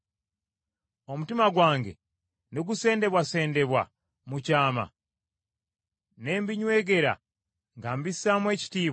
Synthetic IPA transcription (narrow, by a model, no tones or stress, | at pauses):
o̞mutimaɡwaːŋɡe̞̰ | niɡuse̞ːnde̞βwase̞ːnde̞βwa̰ | mucaːma̰ | ne̞ːmbiɲwe̞ːɡe̞ɾa̰ | ŋɡaːmbisaːmwe̞ːci̥tiːβ